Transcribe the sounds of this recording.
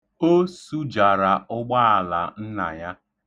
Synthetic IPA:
o˦su˦d͡ʒa˨ɾa˨ʊ˦ɡ͡ba˦a˨la˨n̩˦na̰˨ja˦

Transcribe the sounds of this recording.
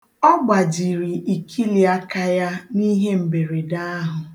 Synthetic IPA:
ɔ˦ɡ͡ba˨d͡ʒi˨ɾi˨i˨kʰi˦li˨a˦ka˦ja˦ni˦ɦe˦m̩˨be˨ɾe˨da˦ɦʊ˨

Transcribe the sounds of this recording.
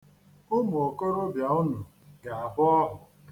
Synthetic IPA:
o˦mo˨o˨ko˦ɾʊ˦bja˨ʊ˦nʊ˨ | ɡa˨a˨bʊ˦ɔ˦ɦʊ˨

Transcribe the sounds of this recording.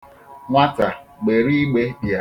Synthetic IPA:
ŋʷa˦ta˨ɡ͡be˨ɾi˦ɡ͡be˦bi˨a˨

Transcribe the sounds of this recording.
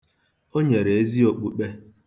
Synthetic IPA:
o˦ɲe˨ɾe˨e˦zi˦o˨k͡pu˨k͡pe˦

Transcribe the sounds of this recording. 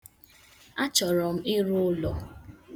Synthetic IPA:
a˦t͡ʃɔ˨ɾɔ˨m̩˦ɪ˦ɾʊ˦lɔ˨

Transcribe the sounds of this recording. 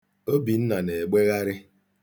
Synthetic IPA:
o˦bi˨n̩˦na˨ne˨ɡ͡be˦ɣa˦ɾɪ˦

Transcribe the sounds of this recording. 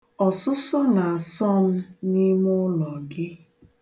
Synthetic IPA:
ɔ˨sʊ˦sɔ˦na˨a˨sɔ˦m̩˦ni˦mʊ˦lɔ˨ɡɪ˦

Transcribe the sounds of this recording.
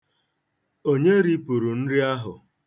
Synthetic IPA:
o˦ɲe˦ɾi˦pu˨ɾu˨n̩˦ɾi˦a˦ɦʊ˨

